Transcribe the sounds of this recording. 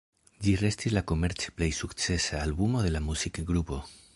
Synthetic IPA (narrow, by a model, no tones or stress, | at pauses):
d͡ʒire̞stislako̞me̞ɾt͡si̥plejsukt͡se̞saːlbumo̞ðe̞lamusikɡɾupo̞